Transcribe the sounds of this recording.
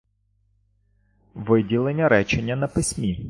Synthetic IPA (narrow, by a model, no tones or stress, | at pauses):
ʋɪdʲilˠenʲːɐɾɛt͡ʃenʲːɐnɐpɪsʲmʲi